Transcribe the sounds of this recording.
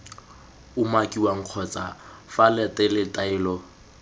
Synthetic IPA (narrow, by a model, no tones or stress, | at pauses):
ʊmakʼiwaŋ̩q͡χʰɔt͡sʼafalɛtʼɛlɪtʼaɪːlɔ